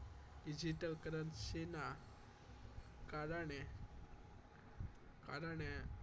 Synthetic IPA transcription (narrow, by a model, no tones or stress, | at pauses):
ɖid͡ʑiʈəlkəɾənsena | kaɾaɳe | kaɾaɳe